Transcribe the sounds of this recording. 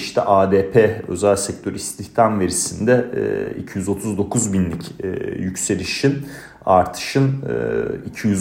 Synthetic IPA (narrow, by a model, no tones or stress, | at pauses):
iʃt̪ʰɛ̰ʔaːd̪eːpʰeø̞̰zælʲsɛc̚t̪ʰø̞ɾist̪ʰiçt̪ʰamve̞ɾisind̪ɛ̰ḭcʰijyzo̞t̪ʰuzd̪o̞kʰuzbinlʲicʰːjycse̞lʲiʃin | a̰ɾt̪ʰɯ̥ʃɯn | icʰijyz